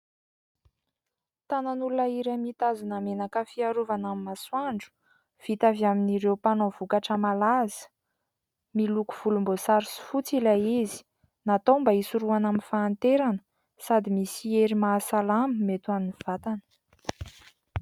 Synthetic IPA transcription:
t̪ananulunaiɾamit̪azunamenakəfiaɾuvanaminaswaɳɖ͡ʐu̥ | v̥it̪avjaminiɾewpanovukaʈ͡ʂəmalazə̥ | miluku̥v̥ulumbosaɾisi̥fut͡silaizi̥ | nat̪ombaisuɾuanaminfaːnt̪eɾanə̥ | sad̪imisieɾimaːsalaməmet̪uaminiv̥at̪anə̥

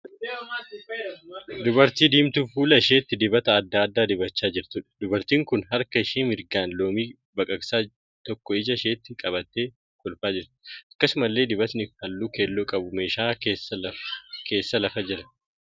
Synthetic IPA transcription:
d̪ʊbɐɾt̪iːd̪iːmt̪ufuːlɐɪʃe̞ːt̪ːɪd̪ɪbɐt̪ɐːd̪ːaːd̪ːaːd̪ɪbɐt͡ʃːaːd͡ʒɪɾt̪ʊᶑɐ̥d̪ʊbɐɾt̪iːŋkʊnɦɐɾkɐɪʃiːmɪɾɡaːnlo̞ːmiː | bɐkʼɐɡsaː | t̪ɔkːɔɪd͡ʒɐɪʃeːt̪ːɪkʼɐbɐt̪ːeː | kʼʊlfaːd͡ʒɪɾt̪ɪ̥ʔɐkːɐsʊmɐlːe̞ːd̪ɪbɐt̪nɪhɐlːuːke̞ːlːoːkʼɐbʊmeːʃaːesɐkʰe̞ːsːɐlɐfɐd͡ʒɪɾɐ

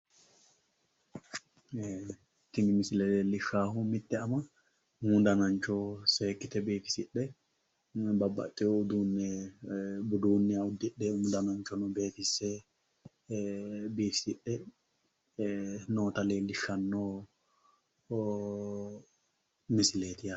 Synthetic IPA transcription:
t̪ɪŋɡmɪslɛleːlɪʃaːɦumɪt̪ːɛɐmɐ | mud̪ɐnɐɲt͡ʃɔseːkːɪt̪ɛbiːfɪ̥sɪᶑːɛ | bɐbːɐ̰t̪ʼːɛoːd̪uːnːɛ | bʊd̪uːnːɪɐʊd̪ːɪᶑːɛʊmd̪ɐnɐɲt͡ʃɔnɔbe̞ːt̪ɪsːeː | biːfɪ̥sɪᶑːɛ | noːt̪ɐleːlːɪʃɐnːoː | mɪsɪleːt̪ɪja

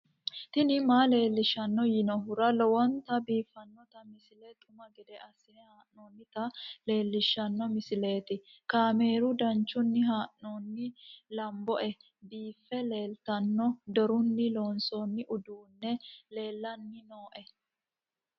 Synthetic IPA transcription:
t̪ɪnɪmaːle̞ːlːɪʃːɐnːɔjɪnɔɦʊɾɐlɔwɔnt̪ɐbiːfːɐnːɔt̪ɐmɪsɪlɛt̪ʼʊmɐɡɛd̪ɛʔɐsɪnɛhaːʔoːnːɪt̪ɐle̞ːlːɪʃːɐnːɔmɪsɪle̞ːt̪ɪkaːme̞ːɾʊd̪ɐnt͡ʃːʊnːɪɦaːʔnoːnːɪlɐmbɔʔɛ | biːfːɛle̞ːlt̪ɐnːɔd̪ɔɾʊnːɪlo̞ːnsonːɪʔʊd̪uːnːɛle̞ːlːɐnːɪno̞ːʔɛ

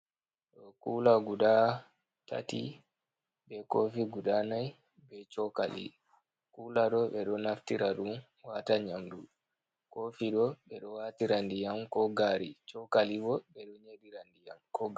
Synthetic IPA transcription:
ɗɔkulaɡuda | ta̰ti | bɛkofiɡudanaj | bɛt͡ʃɔka̰lḭ | kulaɗɔɓɛɗɔnaftiɾaɗum | wataɲamdu | kofiɗɔɓɛɗɔwatiɾandijamkɔɡaɾit͡ʃɔkalibɔɓɛɗɔɲeɗiɾandija̰mkɔɡ

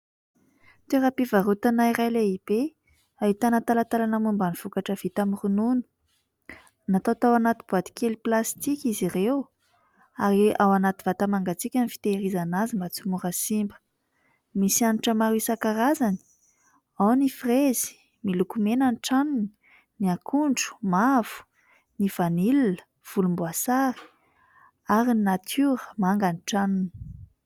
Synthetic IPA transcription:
t̪eɾapivaɾut̪anaiɾajleib̥e | ait̪anat̪alat̪alanamumbaniv̥ukaʈ͡ʂəv̥it̪amirununu̥ | nat̪awt̪awanat̪ib̥uad̪i̥kʲeliplast̪ikʲizirew | aɾiawanat̪ivat̪amaŋɡat͡sikʲanifi̥t̪eɾizanazimbat͡sumuɾasimbə̥ | misianuʈ͡ʂəmaɾisakaɾazani̥ | awnifrez̥i̥ | milukumenənʈ͡ʂanuni̥ | niakʰuɳɖ͡ʐu̥mav̥u̥ | niv̥anilinə̥ | v̥ulumbuasai̥ | aɾininat̪ʰuɾəmaŋɡaniʈ͡ʂanuni̥

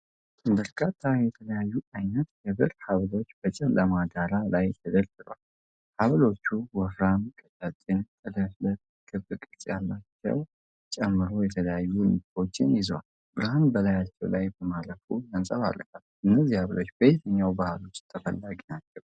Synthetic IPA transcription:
ɨbəɾkʰat̪ʰːajɛt̪ʰələjajːuʔajnət̪jɛbɨɾhaβlo̞t͡ʃːb̥ət͡ʃʼɛlːʔəmad̪aɾalajt̪ʰəd̪əlt̪ɨlal | haβlo̞t͡ʃːuwɔfɾamkʼɨt̪ʼat̪ʼɪnk̪ʼɨləhlət | kʼʰɨbɨkʼɨlsʼjalːat͡ʃːɛ̰w | t͡ʃʼɛmːɨɾo̞jɛt̪ʰələjajːulɨkʼo̞t͡ʃːɪnjɪzwal | bɨɾhambəlajat͡ʃːɛwlajbəmaləfulənsʼəβa̰lːə̰kat̪ʔɨnːəzːihaβlo̞t͡ʃːbəjt̪ʰəɲːawbahlo̞t͡ʃːt̪ʰəfəlːaɡinat͡ʃːɛw

